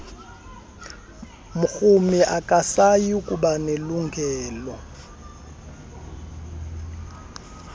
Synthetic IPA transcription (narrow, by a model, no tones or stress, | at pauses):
mʊk͡xumiʔakʼasajikʼuɓaneluŋɡʱɛːlɔ